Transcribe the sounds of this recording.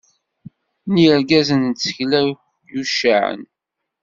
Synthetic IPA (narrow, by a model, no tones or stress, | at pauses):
niəɾɡæzənt͡sːə̥çlæ | juʃaʕə̰n